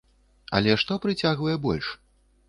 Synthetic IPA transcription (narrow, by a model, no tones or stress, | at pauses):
ɐ̰lʲɛʂt̪ɔpɾɨt͡sʲaɣvɐjɛbɔ̰lʲʂ